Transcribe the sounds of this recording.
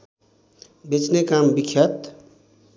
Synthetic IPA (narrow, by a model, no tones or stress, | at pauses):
bet͡ʃnekambikʰːjʌt̪